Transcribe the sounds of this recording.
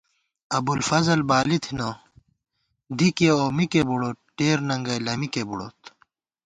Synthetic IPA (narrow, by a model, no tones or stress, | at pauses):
ɐbulfɐzɐlbaːlit̪ʰino | d̪ikeoːmikebuɽoːt̪̚ʈeːɾnɐŋɡɐjlɐmikebuɽo̰ːt̪